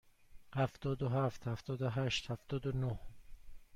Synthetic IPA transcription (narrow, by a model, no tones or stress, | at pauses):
hæft̪ɒːd̪oɦæft̪hæft̪ɒːd̪oɦæʃt̪hæft̪ɒːd̪onoh